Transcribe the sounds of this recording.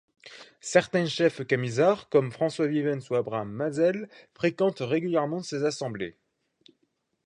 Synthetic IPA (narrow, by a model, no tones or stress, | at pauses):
sɛʁt̪ɛ̃ʃɛfkamizaʁkɔmfχɑ̃swavivɛnsuabʁamːazɛlfχekɑ̃t̪ʁeɡʲyljɛʁmɑ̃sezasɑ̃blḛ